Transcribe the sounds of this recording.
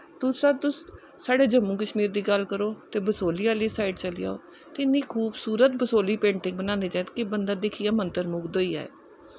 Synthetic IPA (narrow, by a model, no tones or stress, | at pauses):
t̪ʊaːt̪ʊs | saːɖeːd͡ʒəmːũːkəʃmiːɾd̪iːɡəlkəɾoːt̪eːbəsoːliːaːliːsaːɪɖt͡ʃəlḭja̰ːoː | t̪eɪnĩːkʰuːbsuːɾət̪̚bəsoːliːpẽːɳʈɪ̃ŋɡbənãːnd̪eːt͡ʃaːt̪kɪbənd̪aːd̪ɪkʰiːjaːmənt̪əɾmʊkd̪oːiːɛ̰ːɛ